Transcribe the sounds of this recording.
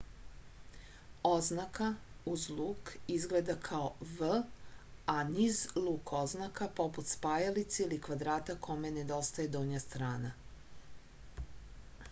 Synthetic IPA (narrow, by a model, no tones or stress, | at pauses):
oznakauzlˠuːkizɡled̪akʰaoʋə | anizlˠuːkʰoznakapo̞put̪spaːjalit̪seilikʋad̪ɾaːt̪akʰomened̪o̞st̪ajed̪oɲast̪ɾaːna